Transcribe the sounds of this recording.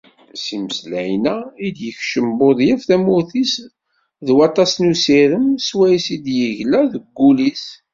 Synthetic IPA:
siməslæʕinæid̪jəçʃəmboðˤjæfθæmʊɾθis | ðwɑt̪ˤːɑsnusiɾəmswæjsid̪jəʝlæðəɡːulis

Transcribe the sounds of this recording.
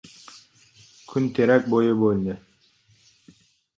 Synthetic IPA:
kʰynt̪ʰeɾæk̚bojʊbolʲnɪ

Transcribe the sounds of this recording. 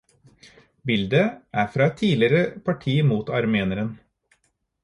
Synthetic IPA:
bɪld̪əʔæːɾfɾɑːɛt̪ʰiːlɪɾəpʰɑʈʰiːmuːt̪ɑɾmeːnəɾən

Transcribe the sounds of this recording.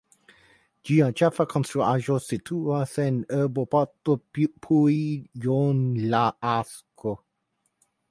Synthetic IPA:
d͡ʒiɑ̃t͡ʃafakʰɔnsoʔaʒosit̪ʰuwasɛnəbopɔt̪oppʰuijonlaʔasko

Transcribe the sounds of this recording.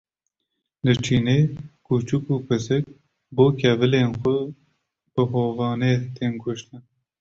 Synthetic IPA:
lɨt͡ʃʰiːneːkut͡ʃukuːpɨsɨk̚ | boːkʰɛvɨleːnxʊ | b̥ɨɦoːvɑːneːt̪eːnkʊʃt̪ɨn

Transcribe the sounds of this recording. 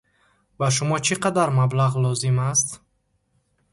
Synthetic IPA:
baʃ̬umɔt͡ʃʰiqad̪aɾmablaʁlɔzimast̪

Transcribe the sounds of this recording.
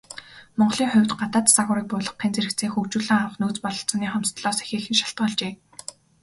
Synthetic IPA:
mɔɴɢɮiːŋχʊ̟wʲt̪ɢat̪aːt̪t͡saɣʊːɾiːk̚pʊːɮɞ̆qːiːnt͡seɾɘ̆kt͡seːŋxukt͡ɕuːɮĭːŋawə̆χnuːt͡spɔɮɞ̆ɬt͡sɔ̆niːχɔm̥t͡st̪ɮɔːse̥xeːxɘ̆nʃaɬt̪ɢəːɮt͡ɕeː

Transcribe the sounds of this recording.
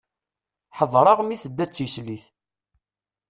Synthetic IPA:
ħəðˤɾˤɑʁmiθəd̪ːæt͡sːisliθ

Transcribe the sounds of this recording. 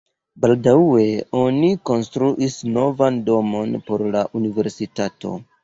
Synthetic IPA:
baldawe̞o̞niko̞nstɾuʔisno̞vando̞mo̞npo̞ɾlaʔunive̞ɾsitato̞̰

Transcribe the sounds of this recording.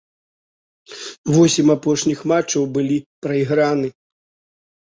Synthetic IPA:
vɔsʲimapɔʂnʲixmat͡ʂːɐwbɨlʲipɾɐiɣɾanɨ

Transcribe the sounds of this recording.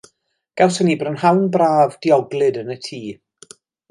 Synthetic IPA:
ɡ̥ɛwsənibrənɦawnbraːvdiɔɡlˠɨdənətʰiː

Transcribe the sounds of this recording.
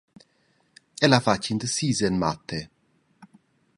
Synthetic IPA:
ɛlafat͡ʃːind̪əsiːzenma̰t̪ʰːe

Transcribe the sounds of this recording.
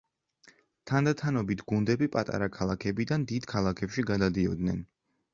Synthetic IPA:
t̪ʰand̪at̪ʰanɔbit̪ʰɡund̪ɛbipʼat̪ʼa̰ɾakʰalˠakʰɛbid̪and̪id̪kʰalˠakʰɛpʃiɡad̪ad̪iɔd̪nɛn

